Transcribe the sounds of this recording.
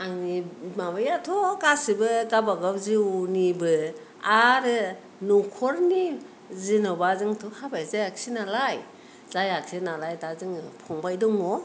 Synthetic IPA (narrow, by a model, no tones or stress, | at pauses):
aŋnimabajatʰokasibɯkabaɡawziwnibɯ | aɾɯ | nukʰɔɾni | zinɔbazɯŋtʰuhabajzajak̚sinalaj | zajak̚sinalajtazɯŋɯpʰɔŋbajdɔŋɔ